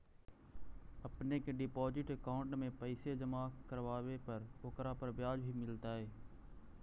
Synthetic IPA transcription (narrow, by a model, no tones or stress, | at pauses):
əpnekeːɖɪpoːd͡ʒɪʈəkaːʊɳʈmẽpəɪsed͡ʒəmaːkəɾʋaːʋepəɾoːkɾaːpəɾbjaːd͡ʒbʱimɪlt̪aːɦeː